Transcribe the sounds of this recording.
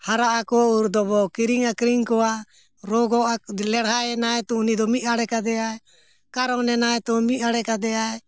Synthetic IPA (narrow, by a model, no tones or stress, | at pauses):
haɾaʔakɔuɾd̪ɔbɔkiɾiŋakɾiŋkɔwa | ɾɔɡɔalɛɽɦaɛnajt̪ɔunid̪ɔmit̪̚ˀaɽɛkad̪ɛaɛ | kaɾɔnɛnajt̪ɔmit̪̚ˀaɽɛkad̪ɛjaɛ